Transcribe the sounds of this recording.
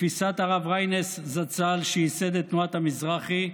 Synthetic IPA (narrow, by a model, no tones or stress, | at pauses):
fisat̪aʁavʁajneszat͡salʃeised̪et̪nuat̪hamizʁaχi